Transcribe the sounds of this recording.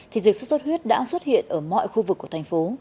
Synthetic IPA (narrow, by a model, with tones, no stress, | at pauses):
t̪ʰi˨˩zɨ˨˩k̚so˧˥sə˦˥t̚hwi˦˥ət̚ɗa̰ː˧˥swə˦˥t̚hḭ˧˨ənʔəː˧˩mɔ̰˧˨jxu˧vɨ˨˩kːu˧˩ə˩t̪a˨˩ŋ̟fo˨˦